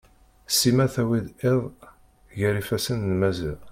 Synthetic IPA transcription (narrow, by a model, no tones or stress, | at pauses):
simæθæwid̪eðˤ | ʝəɾifæsənlmæzḭʁ